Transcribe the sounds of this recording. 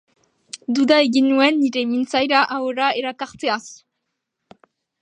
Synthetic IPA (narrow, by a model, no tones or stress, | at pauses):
d̪ud̪aeɣinuenːiɾemint͡sajɾaʔaoɾaeɾakaɾt͡s̪eas